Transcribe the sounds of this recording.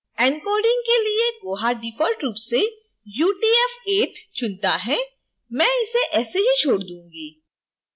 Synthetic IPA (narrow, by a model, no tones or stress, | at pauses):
ɛ̃ŋkoːɾɖɪ̃ŋɡ̚kelieɡoːɦaɖifʰɔːlʈɾuːpse | juːʈiːɛfeːʈt͡ʃʊnt̪aɦɛː | mɛ̃ːɪseʔɛːseɦit͡ʃʰoːɽd̪ũːŋɡiː